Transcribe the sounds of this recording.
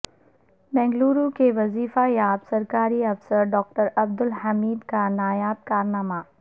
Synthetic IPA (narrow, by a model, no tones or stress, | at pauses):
mɛ̃ːŋɡluːɾukeʋɐziːfajaːbsɐɾkaːɾiɐfsəɾɖɔːk̚ʈəɾɐb̚d̪ʊlɦɐmiːd̪kanaːjaːt̪̚kaːɾnaːma